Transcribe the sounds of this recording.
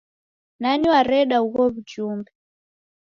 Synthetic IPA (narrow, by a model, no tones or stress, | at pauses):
naniwaɾɛɗauɣɔβud͡ʒuːmbɛ